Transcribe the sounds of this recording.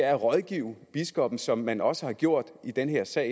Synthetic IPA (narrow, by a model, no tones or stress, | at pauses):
æɐʁɒ̽ðˠɡ̥iʊb̥isɡ̥ɒ̽b̥n̩sɒ̽mːænɒ̽səhɑ̈ɡ̥jo̝ɐ̰d̥id̥enɦe̝ɐ̰sɛ̰ɪ